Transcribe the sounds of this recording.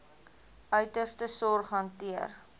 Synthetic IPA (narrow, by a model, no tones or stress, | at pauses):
œɥtərstəsɔrχɦɐntiər